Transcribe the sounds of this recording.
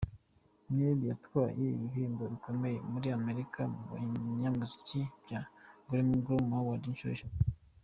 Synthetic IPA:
meɾijatwwaːjeḭβiβiːndoβiko̞meje̞muɾiame̞ɾikʰamiɲamazicibjaŋɡuɾimɡɾumawadinʃuoʃa

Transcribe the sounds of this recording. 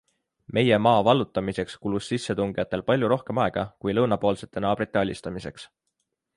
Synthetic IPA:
mʔe̞je̞mɑːvɑlːut̪ːˑɑmise̞kskulusːisːe̞t̪uŋɡ̥ijɑt̪ːˑe̞lpɑlʲjuɾo̞hke̞mɑe̞ɡ̥ɑkujlɤwnɑpo̞ːlse̞t̪ˑːe̞nɑːb̥rit̪ːˑe̞ɑlʲist̪ɑmise̞ks

